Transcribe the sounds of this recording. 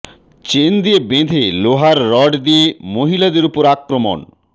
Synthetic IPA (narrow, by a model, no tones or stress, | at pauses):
t͡ɕend̪iebed̪ʱeloɦaɾːɔɖd̪iemoɦilad̪eɾupoɾakɾomo̰n